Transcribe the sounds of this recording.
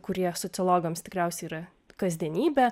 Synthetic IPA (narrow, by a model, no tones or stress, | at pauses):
kʊɾʲiɛsɔt̪sʲɨlˠoːɡɐmst̪ʲɪkɾʲæˑʊsʲɛɪiːɾɐ | kɐzʲd̪ʲiɛnʲiːbʲɛ